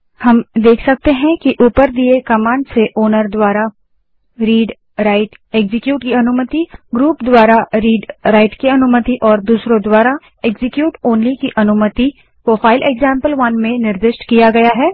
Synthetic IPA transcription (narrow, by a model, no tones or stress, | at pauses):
hɐmd̪eːkʰsɐk̚t̪eɦɛ̃kiʔuːpəɾd̪iekɐmãːɳɖseʔoːnəɾd̪waːɾa | ɾiːɖ | ɾaɪʈ | eːɡzɪkjuːʈkiɐnʊmət̪iɡɾuːpd̪waːɾaɾiːɖɾaːɪʈkiɐnʊmət̪iʔɔːɾd̪uːsɾõd̪waːɾa | eɡzɪkjuːʈoːnlikiʔɐnʊmət̪i | pɾoːfaːɪlʔeːɡzãːmpəlʋɐnmẽnɪɾd̪ɪʃʈkijaɡɐjaɦɛː